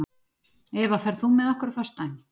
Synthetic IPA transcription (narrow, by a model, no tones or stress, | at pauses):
ɛvafɛɾðθumɛðahkʏɾfast̪ajn